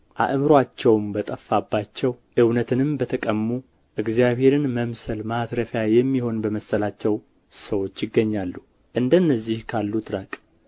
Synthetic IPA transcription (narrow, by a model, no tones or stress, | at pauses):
ʔa̰ʔmɨɾwat͡ʃːɛwmbət̪ʼəfːabːat͡ʃːɛw | ʔɨwnət̪ʰɨnɨmbət̪ʰəkʼəmːu | ʔɨɡzijaβhe̞ɾɨnməmsəlmat̪ɾəfjajɛmːiho̞nbəməsːəlat͡ʃːɛw | səwo̞t͡ʃːjɪɡːəɲːalːu | ʔɨnd̪əɨnːəzːihkʰalːut̪ʰʼɾəkʼ